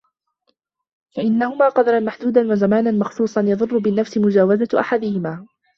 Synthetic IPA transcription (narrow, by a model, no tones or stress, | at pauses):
faʔɪnːahʊmaːqɑd̪ɑɾˤɑnmaħd̪uːd̪anwazamaːnanmɑxsˤuːsˤɑnjɑðˤʊrˤːʊbɪnːafsɪmʊd͡ʒaːwazaʔa̰ħad̪ɪhɪmaː